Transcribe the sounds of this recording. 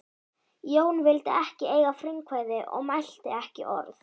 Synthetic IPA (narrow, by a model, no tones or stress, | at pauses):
joːwnvɪlt̪ɪɛhcɪeːjɣafɾɪŋkʰvajðɪʔɔ̰ɣmajl̥t̪ɪɛhcɪ̰ʔɔ̰ɾθ